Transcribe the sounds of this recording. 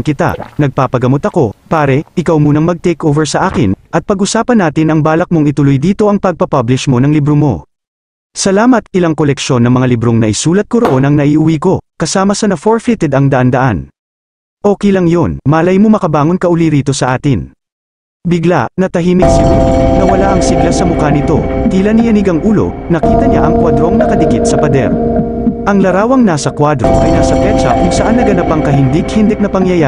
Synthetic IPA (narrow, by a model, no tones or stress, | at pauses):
kɪt̪a̰nɐɡ̚paːpɐɡɐmo̞t̪ɐko̞paːɾɛʔɪkɐwmuːnɐŋmɐɡ̚t̪ɛjkʔoːvɛɹsɐʔaːkɪnʔɐt̪̚pɐɡʔʊsaːpɐnːaːt̪ɪnɐŋbaːlɐk̚moŋɪt̪ʊlojd̪iːt̪o̞ʔɐŋpɐɡ̚pɐpɐblɪʃmo̞nɐŋlibɾomo̞̰ | sɐlaːmɐt̪̚ɪlaŋko̞lɛkʃo̞nːɐŋmɐŋalɪbɾo̞ŋnɐʔɪsuːlɐt̪̚koɾo̞ʔo̞nɐŋnɐʔiʔʊwiːko̞kɐsaːmɐsɐnɐfoɹfɪt̪ɛd̪ɐŋd̪ɐʔand̪ɐʔa̰n | ʔo̞ːkɛjlɐŋjo̞nmaːlɐjmomɐkɐbaːŋo̞nkɐʔʊliɾiːt̪o̞sɐʔaːt̪ɪn | bɪɡla̰ʔnɐt̪ɐɦiːmɪt̪sɪnod̪nɐwɐlaʔɐŋsiɡlasɐmʊkanɪt̪o̞̰t̪ilɐnijɐnɪɡɐŋʔuːlo̞̰nɐkiːt̪ɐɲaʔɐŋkwad̪ɾo̞ŋnɐkɐd̪ɪɡɪt̪̚sɐpɐd̪ɛ̰ɾ | ʔɐŋlɐɾaːwɐŋnasɐkwad̪ɾo̞̰ʔɐjnaːsɐpɛt͡ʃɐ̰kʊŋsɐʔanːɐɡɐnapɐŋkɐɦɪnd̪ɪɡhɪnd̪ɛk̚nɐpɐŋjɐja